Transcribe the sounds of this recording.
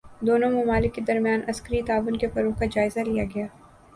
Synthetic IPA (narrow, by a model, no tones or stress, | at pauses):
d̪oːnõmɐmaːlɪkːed̪ɐɾmjaːnʔɐskəɾit̪aːʋʊnkefɐɾokad͡ʒaːɪzalijaɡɐjaː